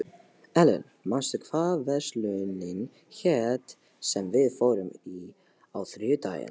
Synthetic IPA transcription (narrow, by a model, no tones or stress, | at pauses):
ɛlə̰ɾ | manst̪ʏkʰv̥aːvɛslœnɪn | çɛt̪ | sɛmvɪðfoːwɾʏmi | awθɾjʏt̪a̰ːjə̰n